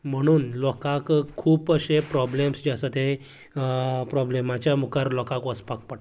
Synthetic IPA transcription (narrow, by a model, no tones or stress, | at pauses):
m̤əɽ̃uːnlɔkakkʰːuːpəɕepɾɔblemsd͡ʑasət̪e | pɾɔblemat͡ɕjamukaɾlɔkãkʋəspak̚pəʈ